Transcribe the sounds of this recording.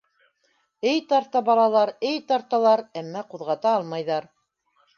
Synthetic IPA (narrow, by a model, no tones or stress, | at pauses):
ɘjt̪ɑɾt̪ɑbɑlˠɑlˠɑɾɘjt̪ɑɾt̪ɑlˠɑɾæmːæquðʁɑt̪ɑlˠmɑjðɑɾ